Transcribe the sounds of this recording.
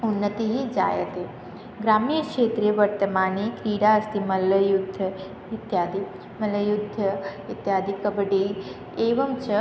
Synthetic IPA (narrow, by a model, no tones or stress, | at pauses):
unːət̪iɦid͡ʒa̰ːjə̰t̪e | ɡɾaːmijəkʂeːt̪ɾieʋəɾt̪əmaːnekɾiːɽaəst̪imɐləjud̪ʱə | ɪt̪jaːd̪i | mɐləjud̪ʱːəɪt̪jaːd̪ikəbɖi | eːʋəmt͡ʃʰə